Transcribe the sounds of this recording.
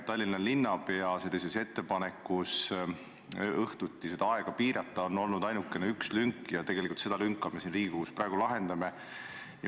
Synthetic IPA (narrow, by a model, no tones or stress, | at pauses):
t̪ːɑlʲːinːɑlːinːɑpe̞ɑse̞lːisese̞t̪ːe̞pɑne̞kːus | ɤht̪ut̪ːised̪ɑɑe̞ɡ̥ɑpiːɾɑt̪ːˑɑo̞nːo̞lnud̪̥ɑjnukːˑe̞neykslyŋkːjɑt̪e̞ɡ̥elikult̪se̞d̪ɑlyŋkːˑɑme̞sinriːɡiɡukusprɑeɡ̥ulɑɦe̞nd̪ɑme | j